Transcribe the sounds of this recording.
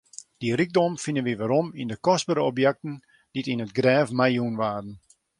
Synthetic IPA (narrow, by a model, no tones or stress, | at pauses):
d̥iriɡ̚dɔmfinənʋiʋaɾɔmindəkɔsbəɾəɔpjɛk̚tən̩ | d̥itinətɡrɛːfmajunʋaːrən̩